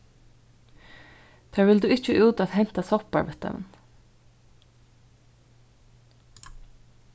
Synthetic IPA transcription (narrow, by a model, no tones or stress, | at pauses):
θʰæːɹʋɪld̪ʉːɪt͡ʃəʔʉːt̪aðhɛn̥t̪asɔpa̰ɹʋɛt̪ɛ̰ʋə̰n